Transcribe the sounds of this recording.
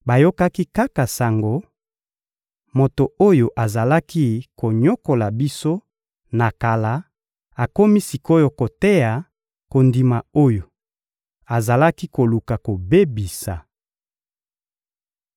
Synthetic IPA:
ba˨jo˦ka˦ki˦ka˦ka˨sa˨ŋɡo˨˦ | mo˨to˨o˦jo˨ʔa˨za˨la˦ki˦ko˨ɲo˦ko˨la˨bi˦so˦ | na˨ka˨la˦ | a˨ko˦mi˦si˨ko˦jo˨ko˨te˦ja˨ | ko˨ndi˨ma˨o˦jo˨ | a˨za˨la˦ki˦ko˨lu˨ka˨ko˨be˦bi˨sa˨

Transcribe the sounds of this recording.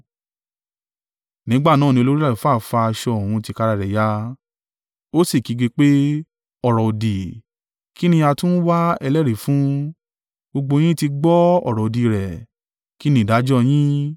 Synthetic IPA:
nĩ˨˦ɡ͡ba˦˨nã˦˨nĩ˧o˧lo˦ɾi˦la˦˨fa˦˨fa˧a˧ʃɔ˧˦o˨hũ˧ti˧ka˧ɾa˧˨ɾɛ˨ja˧˦ | o˦si˦˨ki˨˦ɡe˧k͡pe˦ | ɔ˨ɾɔ˨o˨di˨ | ki˦nĩ˧a˧tũ˦n̩˦wa˦ɛ˧lɛ˦˨ɾi˨fũ˦ | ɡ͡bo˧ɡ͡bo˧j̃ĩ˦ti˧ɡ͡bɔ˦ɔ̰˦˨ɾɔ˨o˨di˨˧˨ɾɛ˨ | ki˦nĩ˦˨da˨˦d͡ʒɔ˦j̃ĩ˦

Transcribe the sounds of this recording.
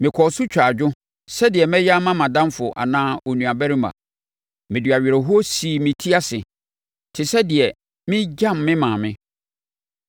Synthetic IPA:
mɪ̃˨kʰɔ˨sʊ˦t͡ɕᶣa˨d͡ʑᶣʊ˦ | sɛ˦dɪ˨ɛ˨mɛ̃˦ja˦mã˦mã˨dã˦mfʊ˨ʔa̰˨nãː˦o˨nũ˨a˨bæ˦ɾi˦mã̰˨ | mɪ̃˨dɥa˨ɥɾɛ˨ɦʊ˦o˦si˨mɪ̃˨tʰi˦a˦sɪ˨ | tʰɪ˨sɛ˦dɪ˨ɛ˨ | mɪ̃˦d͡ʑã˦mːɪ̃˦mãː˨mɪ̃˦

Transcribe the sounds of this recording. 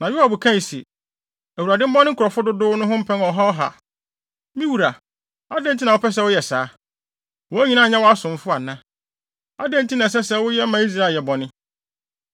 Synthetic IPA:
nã˨ja˨bʊ˨kʰã˦˨sḭ˨ | æ˨wu˨ɾa˨dɪ˦m̩˦bɔ̃˦nɪ̃˦kʊ˨ɾɔ˨fʊ˦dʊ˦dʊː˦nʊ̃˦ɦʊ̃˦m̩˦pʰɛ̃˦nɔ˨ɦɔ˦ɔ˦ɦa̰˨ | mĩ˦wu˨ɾa˨ | a˦dɛ̃˦n˨tʰi˦nã˨wʊ˦pʰɛ˦s̬ɛ˦wʊ˦jɛ˨saː˦ | wɔ˦æ˦ɲĩ˨nã˦˨ɲã˦wɔ˦a˦sʊ̃˨m˦fʊ˦a˨nã˦ | a̰˦dɛ̃˦n˦tʰi˦nã˨s̬ɛ˦sɛ˦wʊ˦jɛ˦mã˨˦i˦s̬ɾa˦˨jɛ˨bɔ˨nɪ̃˦

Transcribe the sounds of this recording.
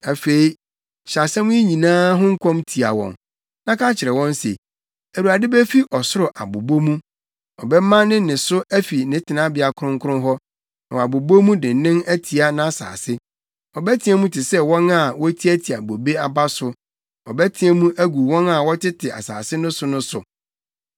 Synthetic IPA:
æ˨fe˨i˦ | ɕa˨sɛ˦mũ˦i˦ɲĩ˨nãː˦ɦʊ̃˦ŋ̩˦kʰɔ̃˦mtʰi˨a̰˨wɔ̰̃˨n | nã˦kʰa˦t͡ɕʰɪ˨ɾɛ˨wɔ̃˦nsḛ˨ | æ˨ɾu˨a˨dɪ˦bɛ˦fi˦ʔɔ˨sʊ˦ɾʊ˨ʔa̰˨bo˨bo˦mũ˦ | ɔ˨bɛ˦mã˦nɪ̃˦nɪ̃˨sʊ˦æ˦fi˨nɪ̃˦tʰɪ˨nã˦bɪ˨a˨kʰʊ˦ɾʊ̃˦ŋ̩˦kʰʊ˦ʊ̃˦ɦɔ˦ | nã˨wɔ˨a˨bo˨bo˦mũ˦dɪ̃˨nɪ̃˦næ˦tʰi˨a˦nã˦a˨sa̰ː˨sɪ˦ | ɔ˨bɛ˦tʰɪ̃˦ɛ˦mũ˦tʰɪ˨sɛ˦wɔ̃˦na˦˨wɔ˦tʰi˦æ˦tʰi˨a̰˨bo˨be˦a˦ba˦sʊ˦ | ɔ˨bɛ˦tʰɪ̃˦ɛ˦mũ˦ʔæ˦ɡu˨wɔ̃˦na˦˨wɔ˦tʰɪ˦tʰɪ˨a̰˨sa̰ː˨sɪ˦nʊ̃˦sʊ˦nʊ̃˦sʊ̰˨

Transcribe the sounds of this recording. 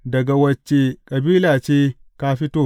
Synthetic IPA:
dɐ˨ɡa˨wɐ˨t͡ʃːe˨kʼɐ˨biː˦laː˨t͡ʃeː˦kaː˦ɸi˦toː˦˨

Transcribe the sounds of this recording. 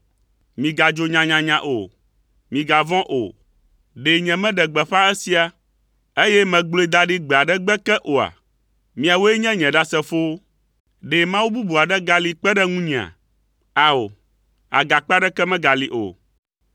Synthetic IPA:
mĩ˨ɡa˨d͡ʒo˨ɲã˨ɲã˨ɲã˨ʔo˨ | mĩ˨ɡa˨vɔ̃˦ʔo̰˨ | ɖe˨ɲɛ̃˨mɛ̃˦ɖɛ˨ɡ͡bɛ˨ɸã˦ɛ˦si˦a˨ | e˦jɛ˦mɛ̃˨ɡ͡blo˨˦e˦˨d̪a˨ɖi˦ɡ͡be˨a˨ɖɛ˦ɡ͡bɛ˦kɛ˦ʔo˨a̰˨ | mĩ˨a˨wo˦e˦ɲɛ̃˦ɲɛ̃˨ɖa˦sɛ˦fo˦ | ɖe˨mã˦wu˦bu˦bu˨a˨ɖɛ˦ɡa˨li˨k͡pɛ˦ɖɛ˦ŋũ˦ɲĩ˨a̰˨ | a˨o˨ | a̰˨ɡa˨k͡pa˦ɖɛ˦kɛ˦mɛ̃˦ɡa˨li˨ʔo̰˨

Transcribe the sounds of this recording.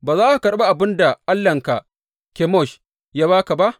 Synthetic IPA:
baː˨zaː˦ʔa˨kɐ˨ɗba˦ʔa˨bɪ˦nda˨ʔa˦lːɐ˨ŋka˨ʔ | kʲe˨˦mɔ˦˨ʃ | jaː˦βaː˦ka˨ba˦ʔ

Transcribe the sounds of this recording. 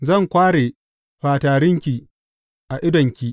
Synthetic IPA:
zɐ˦˨ŋkʷaː˦ɽeː˨ | ɸaː˨taː˨ɾɪ˦ŋkʲi˨ | ʔa˨ʔɪ˦dɔ˨ŋkʲi˨

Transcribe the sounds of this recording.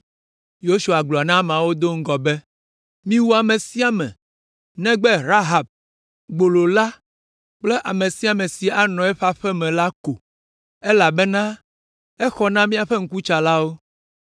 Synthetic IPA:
jo˦su˨a˨ɡ͡bla˨nã˦m˨ã˨wo˦d̪o˦ŋ̩˦ɡɔ˨bɛ˦ | mĩ˦wu˦a˨mẽ˨si˦a˨mɛ̰̃˨ | nɛ̃˦ɡ͡bɛ˦ɾa˦ɦa˨b̚ | ɡ͡bo˨lo˨la˦ | k͡plɛ˦ʔa˨mẽ˨si˦a˨mɛ̃˨si˨a˨nɔ̃˨ɛ˦ɸa˦ɸɛ˦mɛ̃˨la˦ko˨ | ɛ˦la˨bɛ˦nã˦ | ɛ˦xɔ˦nã˦mĩ˦a˨ɸɛ˦ŋ̩˦ku˦t͡ʃa˨la˦wo˦

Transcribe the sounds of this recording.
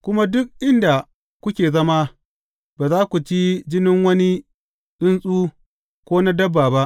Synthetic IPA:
kʷʊ˦ma˦dʊ˦k̚ʔɪ˦nda˨ | kʷʊ˦kʲeː˨zɐ˦ma˦ | baː˨zaː˦kʷu˨t͡ʃi˦d͡ʒɪ˦nɪ˦ŋwɐ˦ni˦ | ɗʊ˦nsʼuː˦ | kʷoː˦na˦dɐ˦bːaː˨ba˦ʔ

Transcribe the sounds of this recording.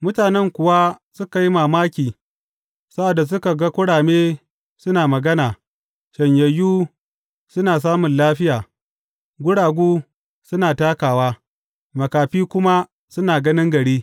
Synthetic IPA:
mʊ˦taː˨nɛ˦ŋkʷʊ˨wa˦sʊ˦ka˨ji˦maː˨maː˦kʲiː˨ | sɐ˦ʔɐ˨dːa˨s̬ʊ˦ka˨ɡa˦kʷʊ˦ɽaː˨meː˦ | sʊ˦naː˨mɐ˨ɡɐ˦naː˨ | ʃɐ˨ɲjɐ˨juː˦ | sʊ˦naː˨s̬aː˦mʊ˨nlaː˦ɸɪ˦jaː˨ | ɡʷʊ˦ɽaː˨ɡʷuː˦ | sʊ˦naː˨taː˦kaː˨waː˦ | mɐ˨kaː˨ɸiː˦kʷʊ˦ma˦ | sʊ˦naː˨ɡɐ˦nɪ˦ŋɡɐ˨ɽiː˦

